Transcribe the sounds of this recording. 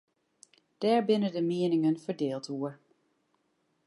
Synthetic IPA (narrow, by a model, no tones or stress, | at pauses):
d̥ɛːɹbɪnədəmɪənɪŋənfəɹdɪːlˠtuəɹ